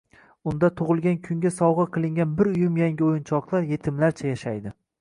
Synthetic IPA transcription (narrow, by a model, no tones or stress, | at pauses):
ʊn̪d̪at̪ʰʊʁɨlˠɡʲankʲʰʊŋɡʲasɒwʁɨqʰɨlˠɪŋɡʲanbɪɾʊjɪmjaŋɡʲɪojɪnt͡ʃʰɒqlˠaɾje̞t̪ʰɪmlaɾt͡ʃʰajaʃajd̪ɪ